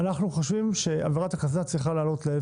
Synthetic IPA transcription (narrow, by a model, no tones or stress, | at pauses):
anaχnuχoʃvimʃe̞a̰veʁat̪akazat͡sʁiχalaːlo̞tle